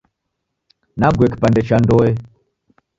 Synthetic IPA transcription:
naɡwɛkpandɛt͡ʃandɔɛ

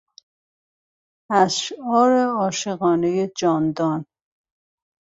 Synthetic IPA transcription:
æsʃɒːɾeɒːʃeɣɒːnejed͡ʒɒːnd̪ɒn

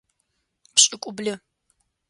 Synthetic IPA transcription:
pʰɕʼɪkʷʼʊblɪ

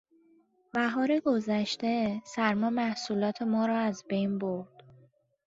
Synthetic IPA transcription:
bæɦɒːɾeɡo̞zæʃt̪e̞sæɾmɒːmæhsuːlɒːt̪ʰe̞mɒːɾɒːæzbejnboɾd̪̥

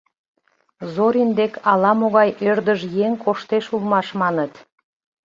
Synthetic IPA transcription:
zoɾind̪ekʰɑlɑmoɣɑjʔørd̪əʒjeŋkʰoʃt̪eʃulmɑʃmɑnət̪

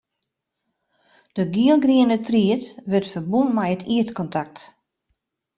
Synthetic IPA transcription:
d̥əɡiəlˠɡriənətriətʋøtfərbunmɛjətʰiətkɔntʰak̚t

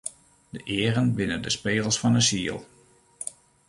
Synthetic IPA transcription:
d̥əʔɪːrənbɪnəndəspeːəlˠsfɑnəsiːəlˠ

